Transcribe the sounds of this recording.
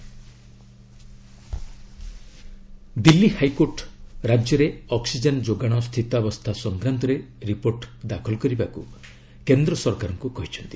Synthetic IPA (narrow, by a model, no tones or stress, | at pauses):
d̪ilːihajkoɾʈɾad͡ʒjɔɾeɔksid͡ʒend͡ʒoɡaɽ̃ɔst̪ʰit̪abɔst̪ʰasɔŋɡɾant̪ɔɾe | ɾipoɾʈd̪akʰɔlɔkɔɾibakṵ | kend̪ɾɔsɔɾkaɾɔŋkukɔɦit͡ʃʰɔnt̪i